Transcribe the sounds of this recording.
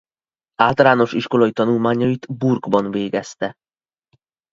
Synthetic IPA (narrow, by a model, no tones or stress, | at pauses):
aːlt̪ɒlaːno̞ʃiʃko̞lɒjit̪ɒnulmaːɲɒjit̪burɡbɒnveːɡɛst̪ɛ